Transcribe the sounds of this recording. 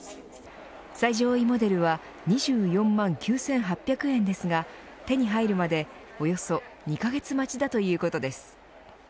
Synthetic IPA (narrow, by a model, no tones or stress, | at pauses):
saiʑo̞ːimo̞d̪e̞ɾɯ̟β̞a | ɲ̟iʑɨːjõ̞mːãŋkʲɨːsẽ̞ɰ̃ɦapʲːjakɯ̟ẽ̞nd̪e̞sɨɡa | t̪e̞ɲ̟iɦaiɾɯ̟mad̪e̞ | o̞jo̞so̞ɲ̟ikaɡe̞t͡sɨmat͡ɕid̪at̪o̞jɯ̟ːko̞t̪o̞d̪e̞sɨ̥